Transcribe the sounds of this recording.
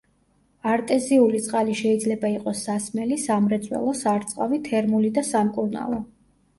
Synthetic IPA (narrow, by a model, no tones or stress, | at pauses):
aɾt̪ʼɛziulit̪sʼqʼaliʃɛid̪zlɛbaiqʼɔsːasmɛlisamɾɛt̪sʼwɛ̰lˠɔsaɾt̪sʼqʼavit̪ʰɛɾmulid̪asamkʼuɾna̰lˠɔ